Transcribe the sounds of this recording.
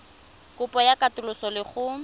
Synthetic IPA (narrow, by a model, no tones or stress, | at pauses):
kʊpʼɔjakʼatʊlʊsɔlɪχʊ